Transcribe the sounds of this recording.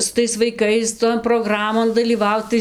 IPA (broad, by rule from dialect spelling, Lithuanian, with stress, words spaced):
sʊ ˈtɐɪs ʋɐɪˈkɐɪs toːn proːˈɡrɑːmoːn dɐlʲiːˈʋɐʊt ˈtɐɪ